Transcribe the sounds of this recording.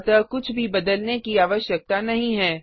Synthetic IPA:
t̪akʊt͡ʃʰbʱibɐd̪əlnekiaːʋəʃjək̚t̪anɐɦĩɦɛː

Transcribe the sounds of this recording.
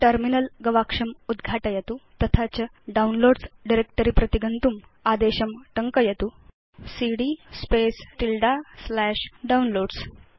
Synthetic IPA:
ʈəɾminəlɡɐʋakʂɐmud̪ɡʱaʈəjɐt̪ut̪ɐt̪ʰat͡ɕə | ɖaunloɖsɖiɾek̚ʈəɾiːpɾɐt̪iɡənt̪um | ad̪eɕɐmʈəŋkəjɐt̪u | siɽispesʈilɖaslɛʂɖaunloːɽs

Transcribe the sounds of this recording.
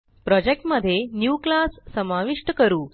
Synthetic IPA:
pɾɔd͡ʑek̚ʈməd̪ʱːjenjuːklasːəmaʋiʂʈəkəɾuː

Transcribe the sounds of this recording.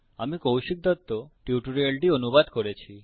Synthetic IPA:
amikowʃik̚d̪ɔt̪ːoʈjuʈuɾielʈionubad̪koɾet͡ɕʰi

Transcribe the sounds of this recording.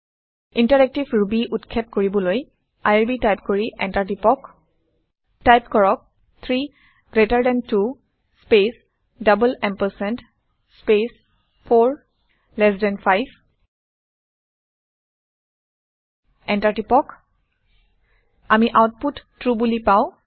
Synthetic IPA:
intaɹɛk̚tivɹubiʔutkʰɛpkoɹibɔloj | ajaɹbitajpkoɹiʔɛ̰ntaɹtipɔk | tajpkɔɹɔk̚ | t̪ʰɹi | ɡ̥ɹetaɹdɛ̃ntu | spes | dʌbəlɛmpəsɛnt | spes | pʰoɹ | lɛs̬dɛnfʰajb | ɛntaɹtipɔk | amiʔawt̚putːɹubulipaʊ̃

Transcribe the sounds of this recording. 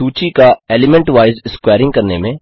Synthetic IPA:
uːt͡ʃikaeːlɪmɛ̃ɳʈʋaːɪzɪskwaːɾɪ̃ŋɡ̚kɐɾnemẽː

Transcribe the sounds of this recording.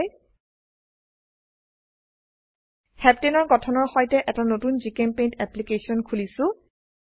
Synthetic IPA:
j | hɛptenɔɹɡɔtʰɔnɔɹxɔjtɛʔɛtanotunzikɛmpejntɛplikesiɔnkʰulisʊ̃

